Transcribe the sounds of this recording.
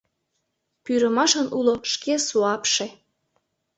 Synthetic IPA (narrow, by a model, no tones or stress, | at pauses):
pyɾəmɑʃənʔuloʃkesuɑpʃe